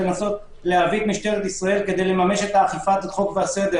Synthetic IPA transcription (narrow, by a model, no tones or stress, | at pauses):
enaso̞t̪ | leavit̪miʃt̪e̞ʁet̪isʁae̞lke̞d̪e̞jle̞mame̞ʃe̞t̪aːχifat̪at̪χo̞kvease̞d̪e